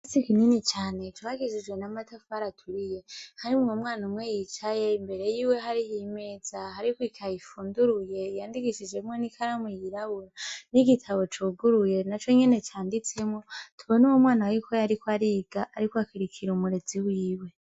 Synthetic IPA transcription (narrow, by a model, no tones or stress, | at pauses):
asikininit͡ʃaːne̞tʰuβaɡid͡ʒid͡ʒwe̞namatʰofaɾatʰuɾije̞haɾimŋomŋaːnumwe̞jit͡ʃaje̞imbe̞ɾe̞jiːwe̞ɦaɾihime̞ːzahaɾikwikʰajifuːnduɾuje̞jaːndiɡiʃid͡ʒemonikʰaɾamojiɾaβuɾaniɡitʰaβo̞t͡ʃuːɡuɾuje̞nat͡ʃo̞ɲe̞ne̞t͡ʃaːndit͡se̞mŋo̞tʰuβo̞newomwaːnawikʰo̞jaɾikoaɾiːɡ̥aʔaɾikoakiɾikʰiɾumuɾe̞d͡ziwiːwe̞